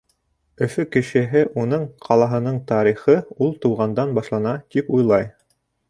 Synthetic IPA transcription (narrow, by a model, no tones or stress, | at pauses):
ɵ̆fɵkɘ̆ʃɘ̆ɦɘʔunɤɴqʰɑlˠɑɦɤ̆nɤɴt̪ɑɾiχɤulˠt̪uwʁɑnd̪ɑnbɑʃlˠɑnɑt̪ipujlˠɑj